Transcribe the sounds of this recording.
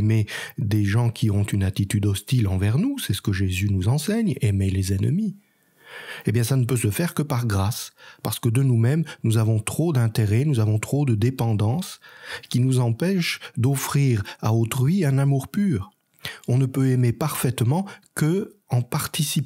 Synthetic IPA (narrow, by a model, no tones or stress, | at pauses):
med̪eʒɑ̃kʰʲiɔ̃t̪ynat̪it̪yd̪ɔst̪ilɑ̃vɛʁnusɛsə̥kəʒezynuzɑ̃sɛɲemelezɛnəmi | ebjɛ̃sanəpøsəfɛʁkəpaʁɡʁaspaʁsə̥kəd̪ənumɛmnuzavɔ̃t̪χod̪ɛ̃t̪eʁɛnuzavɔ̃t̪χod̪əd̪epɑ̃d̪ɑ̃skʲinuzɑ̃pɛʃd̪ɔfχiʁa̰ot̪χɥiɛ̃namuʁpyːʁ | ɔ̃nəpøɛmepaʁfɛt̪mɑ̃kəɑ̃paʁt̪isip